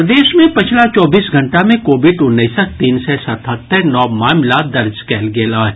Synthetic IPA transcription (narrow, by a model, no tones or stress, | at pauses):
d̪eːʃmẽpɪt͡ʃʰlat͡ʃɔːbiːsɡʱɐ̃ɳʈamẽkoːbɪɖʊnːəsək̚t̪iːnsɛsɐt̪ʰət̪ːəɾnɔːmaːmlad̪ɐɾd͡ʒkɛːlɡeːlaɦɛ